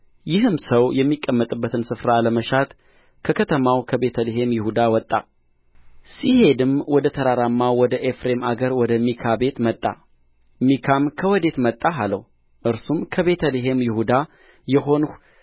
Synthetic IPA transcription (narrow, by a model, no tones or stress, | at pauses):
jɪɦɨmsəwjɛmːikʼːəmːət̪ʼɨbːət̪ʰɨnsɨfɾaləməʃat̪ | kʰəkʰət̪ʰəmawkʰəbe̞t̪ʰəleɦe̞mjɪhud̪awɔt̪ʼːa̰ | sihe̞d̪ɨmwɔd̪ət̪ʰəɾaɾamːawɔd̪əʔefɾe̞maɡəɾwɔd̪əmikʰabe̞t̪mət̪ʼːa̰ | mikʰamkʰəwɔd̪e̞t̪mət̪ʼːaɦaləw | ʔɨɾsumkʰəβe̞t̪ʰəleɦe̞mjɪhud̪a | jɛɦo̞nu